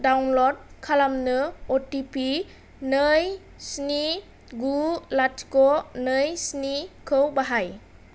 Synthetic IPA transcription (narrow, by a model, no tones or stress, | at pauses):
dawnlɔd̚kʰalamnɯotipi | nɯj | sni | ɡulatkɔnɯjsnikʰɯwbaɦaj